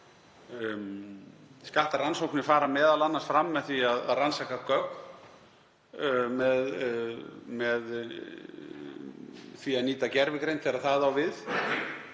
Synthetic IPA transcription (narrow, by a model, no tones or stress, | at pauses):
skaht̪aɾansowknɪfaːɾamɛːðalanːasfɾamːɛðθviaðaðransakakœkn | mɛð | mɛð | θviaðniːt̪acɛɾvɪkɾejnfɪɾaðθaðawvɪð